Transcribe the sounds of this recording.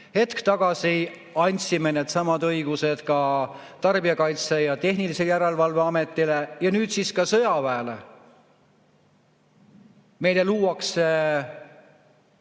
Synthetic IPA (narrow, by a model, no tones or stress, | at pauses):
he̞t̪kt̪ɑɡ̥ɑsi | ɑnʲt̪sime̞ne̞ːd̪̥sɑmɑd̪ɤjɡ̥use̞d̪̥kɑ | t̪ɑrb̥iɑkɑjt̪sejɑt̪e̞ɦniliseljæɾelvɑlveɑme̞t̪ˑːilejɑnyːd̪siskɑsɤ̞jɑvæːlḛ | me̞jle̞luːwɑkse